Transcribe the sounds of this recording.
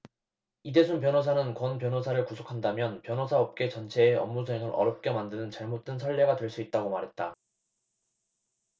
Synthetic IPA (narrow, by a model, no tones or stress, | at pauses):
ide̞sʰunpjʌnɦos̬ʰanɯnkwʌnp̬jʌnɦosʰaɾɯɭkusʰokʰandamjʌnpjʌnɦosʰaʌp̚k͈e̞t͡ɕʌnt͡ɕʰe̞ːʌmːus̬ʰeŋɯɾʔʌ̰ɾjʌp̚k͈e̞mandɯnɯnt͡ɕaɭmot̚t͈wensʰʌɭːe̞ɡadwe̞ɭs͈uit̚t͈aɡomaɾɦe̞t̚t͈a